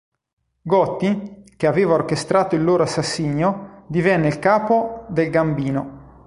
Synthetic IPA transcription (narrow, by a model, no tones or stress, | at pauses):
ɡɔt̪ːikeaveːvaork̟est̪ɾaːt̪oilːoːɾoasːasːiːɲːod̪ivɛnːeilkaːpod̪elɡambiːno